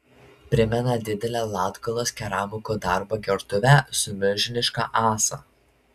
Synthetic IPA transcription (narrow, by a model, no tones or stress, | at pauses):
pʲɾʲɪmʲɛnɐd̪ʲɪd̪ʲɛlʲæːlˠɑːt̪ɡɐlˠoːskʲɛɾɑːmʊkoːd̪ɑˑɾbɐɡʲɛɾt̪ʊʋʲæsʊmʲʊʒʲɪnʲɪʃkɑ̰ːʔɑːsɑ̰ː